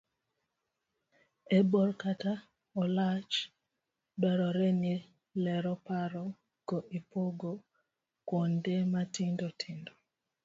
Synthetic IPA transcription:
ebɔɾkata | ɔlat͡ʃ | daɾɔɾɛni | lɛɾɔpaɾɔ | ɡ̥ɔʔipoɡo | kwondematɪndɔtʰɪndɔ

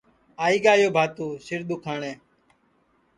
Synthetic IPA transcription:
aːiːɠaːjoːbʱaːt̪uːsɪɾd̪uːkʰaːɳeː

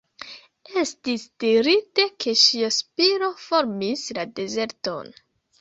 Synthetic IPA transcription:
e̞stisd̥iɾite̞kʰe̞ʃiaspiɾo̞fo̞ɾmislade̞ze̞ɾto̞̰n

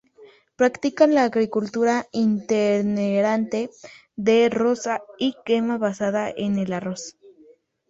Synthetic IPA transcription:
pɾakt̪ikanlaːɣɾikult̪uɾaint̪eɾneɾant̪e | ðerosaikemaβasaðaʔenelaros

